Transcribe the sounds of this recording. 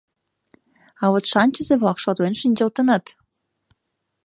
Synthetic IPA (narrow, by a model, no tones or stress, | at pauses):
ɑwot̪ʃɑnʲt͡ɕəzeβɑkʃot̪lenʃinʲd͡ʑəlt̪ə̆nɑt̪